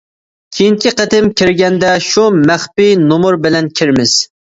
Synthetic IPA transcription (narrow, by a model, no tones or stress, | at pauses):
kʲʰejiŋkʰʲiqət̪ɪmkʲʰiɾɡʲɛnd̪ɛʃumæχpinomʊɾbɪlɛnkʲʰiɾmɪz̥